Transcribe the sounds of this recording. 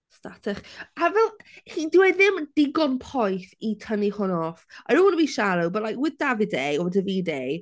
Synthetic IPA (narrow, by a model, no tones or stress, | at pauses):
statʰɛχavɛlˠχidɪwɛðɪmd̥ɪɡɔnpʰɔjθitʰənihʊnɔːfajɾonəbiːʃalubɛlˠajkwɪðd̥avidejɔwɪdəviːdej